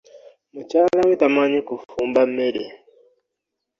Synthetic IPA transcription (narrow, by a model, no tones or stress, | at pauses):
mut͡ʃaːlawitamaɲikufuːmbameɾe